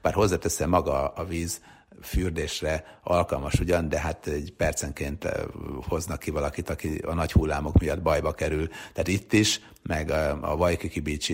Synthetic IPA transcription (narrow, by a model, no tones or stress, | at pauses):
b̥aːrɦo̞zːaːt̪ɛsɛmɒɡɒɒviːz | fyːrd̪eːʃrɛɒlkɒlmɒʃuɟɒnd̪ɛɦat̪ɛɟpɛrt̪sɛŋkeːnt̪ho̞znɒkːivɒlɒkit̪ɒkiɒ̰nɒchulːaːmo̞kmijɒd̪bɒjbɒkɛɾylt̪aːt̪it̪ːiʃ | mɛɡɒ̰vɒjkikibiːt͡ʃi